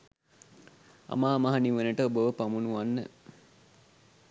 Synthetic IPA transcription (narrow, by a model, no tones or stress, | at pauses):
a̰maːmaɦaniʋənəʈəobəʋəpamunuʋanːə